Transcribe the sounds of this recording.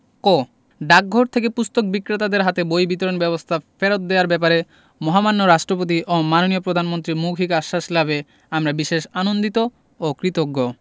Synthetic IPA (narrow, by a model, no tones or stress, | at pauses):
ko | ɖak̚ɡʱoɾt̪ʰekepust̪ok̚bikːɾet̪ad̪eɾɦat̪ebojbit̪oɾonbɛβost̪ʰafeɾot̪̚d̪eaɾbɛp̬aɾe | mɔɦamanːoɾaʃʈɾop̬ot̪̬iʔomanoniopɾod̪ʱanmont̪ɾimuɡʱikaʃːaʃlabe | amɾabiʃeʃanond̪it̪o | okɾit̪oɡːo